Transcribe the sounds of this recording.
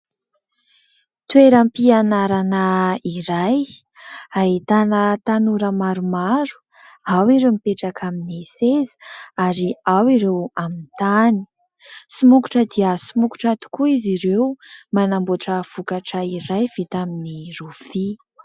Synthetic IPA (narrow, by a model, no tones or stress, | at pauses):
t̪weɾampianaɾanəiɾaj | aɦit̪anət̪anuɾəmaɾumaɾu̥ | awiɾewmipeʈ͡ʂakʰaminisezə̥aɾiawiɾewamint̪ani̥ | sumuku̥ʈ͡ʂəd̪iəsumuku̥ʈ͡ʂat̪i̥kuiziɾewmanamboʈ͡ʂəv̥ukaʈ͡ʂəiɾajv̥it̪aminirufi